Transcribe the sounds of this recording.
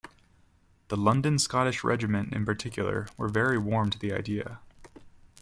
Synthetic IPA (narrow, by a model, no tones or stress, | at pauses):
ðəlʌ̃ndɨ̃nskɑɾɨʃɹʔɛ̰d͡ʒɨmɨ̃ntɨ̰̃npə˞tʰɪkjl̩ˠə̰˞wə˞vɛɹiwɔɹmtʰɨðiaɪdiɨ̰